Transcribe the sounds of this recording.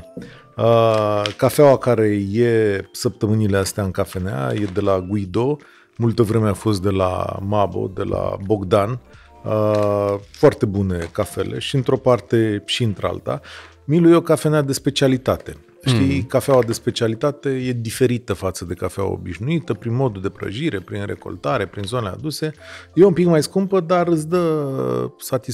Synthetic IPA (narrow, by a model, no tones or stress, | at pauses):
əkafeawakaɾe̞jesəp̚t̪əmɨnile̞ast̪eaɨŋkafe̞nea̰je̞d̪e̞laɡuid̪o̞ | mult̪əvɾe̞meafo̞s̬t̪̚d̪e̞la̰mabo̞̰d̪e̞la̰bo̞ɡd̪an | ə | foart̪e̞bune̞kafe̞̰le̞̰ʃiɨnt̪ɾo̞part̪e̞ʃiɨnt̪ɾea̰lt̪a̰ | milujeokafeanead̪e̞spe̞t͡ʃialit̪at̪e̞ | ʃt̪ijkafeawad̪e̞spe̞t͡ʃialit̪at̪e̞je̞d̪ife̞ɾit̪əfat̪səd̪e̞kafea̰wa̰o̰biʃnuit̪əpɾinmo̞d̪uld̪e̞pɾə̰ʒiɾe̞pɾinre̞̰ko̞̰lt̪aɾe̞pɾinzo̞nelea̰d̪use̞jeumpikmajskumpəd̪arɨt̪s̬d̪ə | sat̪is